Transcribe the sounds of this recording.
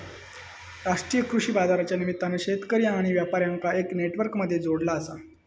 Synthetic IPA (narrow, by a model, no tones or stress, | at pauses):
ɾaʂʈɾijəkɾuʂiːbad͡zaɾat͡ɕjanimit̪ːaneɕet̪kəɾjãːɽ̃iʋjapaɾjaŋkaekneʈʋəɾkməd̪ʱːjed͡zoɽlaəsa